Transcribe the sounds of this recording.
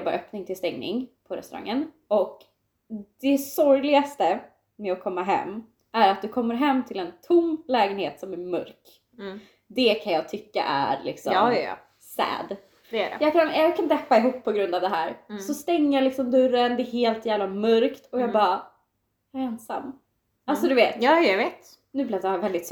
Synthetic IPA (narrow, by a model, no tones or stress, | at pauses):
bɑːɾʔœpnɪŋt̪ʰɪlst̪ɛŋnɪ̰ŋpʰɔɾɛ̰st̪ɵɾa̰ŋːən | ɔk | d̪̥ɛsɔɾjlɪɡast̪ə | mɛɔkʰɔmːaɦɛ̰mː | æɾat̪̚d̪ɵkʰɔmːəɾɦɛmːt̪ʰɪlɛnt̪ʰʊmlɛːɡənheːt̪sɔmæɾmɵ̰ɾk | d̪ɛkʰanjɑːɡ̚t̪ʰʏkːa̰ʔæ̰ɾlɪ̰ksɔ̰m̰ | sɛ̰ːd̪ | d̪ɛæɾɛ̰jɑːkʰanjɑkʰand̪ɛpːaɪɦuːpʰːɔɡɾɵnd̪avd̪ɛɦæːɾsɔst̪ɛŋːəjalɪksɔmd̪ɵɾːənd̪ɛːɦeːlt̪ʰjæːvlamɵɾkt̪ʰɔjɑːɡbɑː | ɛnsa̰mː | alsɔd̪ɵveːt̪jːveːt̪ | nʉ̟blad̪avɛld̪ɪt̪s